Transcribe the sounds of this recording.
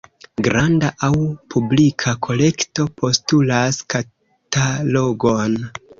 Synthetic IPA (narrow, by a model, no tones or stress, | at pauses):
ɡɾandaʔawpʰublikʰakʰo̞le̞kto̞po̞stulaska | taloɡo̞n